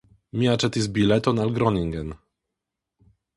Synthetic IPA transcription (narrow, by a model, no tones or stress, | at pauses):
mʲiat͡ʂɛt̪isbʲilɛt̪ɔnalɡɾɔnʲiŋɡɛn